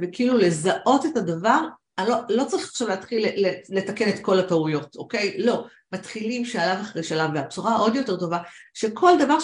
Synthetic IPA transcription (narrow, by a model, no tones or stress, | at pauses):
vekiilule̞zaʔo̞te̞tadavaʁ | alolo̞t͡saʁiχḁχʃavleat̪χilːele̞take̞ne̞t̪ko̞lataujo̞to̞ke̞jlo̞ | mat̪χilimʃealavaχaʁejʃelavːeab̚t͡suʁaʔo̞djo̞te̞ʁto̞vaʃe̞kʰo̞ldavaʁ